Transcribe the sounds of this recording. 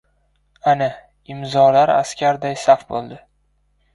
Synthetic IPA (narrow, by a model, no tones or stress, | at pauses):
ana | ɪmzɒlaɾa̰skʲaɾd̪ajsafbolˠd̪ɪ